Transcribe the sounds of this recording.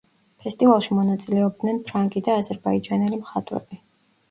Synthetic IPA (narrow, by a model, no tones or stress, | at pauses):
pʰɛst̪ʼivalˠʃimɔnat̪sʼilɛɔb̚d̪nɛnpʰɾaŋɡʼid̪aːzɛɾbaid͡ʒanɛlimχat̪ʼwɾɛ̰bi